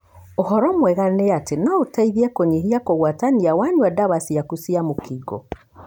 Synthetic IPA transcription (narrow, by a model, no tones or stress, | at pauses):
ohɔɾɔmwɛɣaneatenaotaiðiɛkoɲeɦiakoɣwataniawaɲuadaβasiakusiamokiɡɔ̰